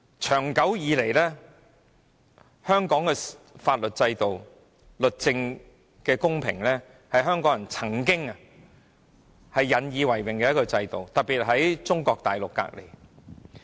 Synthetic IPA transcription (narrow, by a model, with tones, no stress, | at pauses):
t͡ʃʰœː˨˩ŋkɐ˨˥wjiː˨˧le˨˩jlɛː˥ | hœː˥ŋkɔː˨˥ŋkɛː˧faː˧t̚lɵ˨t̚t͡sɐ˧jt̪o˨w | lɵ˨t̚t͡sɪ˧ŋ | kɛː˧kʊ˥ŋpʰɪ̰˨˩ŋlɛː˥ | hɐ˨jɦœː˥ŋkɔː˨˥ŋjɐ˨˩nt͡sʰɐ˨˩ŋkɪ˥ŋɐ˨ | hɐ˨jːɐ˨˥njiː˨˧wɐ˨˩jwɪ˨ŋkɛː˧jɐ˥t̚kɔ˧t͡sɐ˧jt̪o˨wt̪ɐ˨t̚pːiː˨t̚ɦɐ˨˥jt͡sʊ˥ŋkɔː˧k̚t̪aː˨jlʊ˨kːa̰ː˧k̚lḛ˨˩j